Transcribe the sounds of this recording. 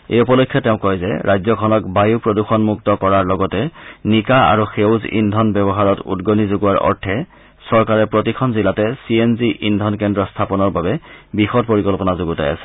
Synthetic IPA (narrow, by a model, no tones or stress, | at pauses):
ḛjupɔlɔkʰːjɔtɛʊ̃kːɔjzɛ̰ɹʔajzɔkʰɔnɔk̚bajupɹoduxɔnmuktɔkɔɹaɹlɔɡɔtɛnikaa̰ɹuxewzḭndʱɔnbɛbɔɦaɹɔtṵdɡonizuɡuwaɹɔ̰ɹtʰɛ | sɔɹkaɹɛpɹotikʰɔnzilatɛsienziʔindʱɔnkɛndɹɔstʰapɔnɔɹbabɛbixɔtpoɹikɔlpɔnazoɡuta̰ja̰sɛ̥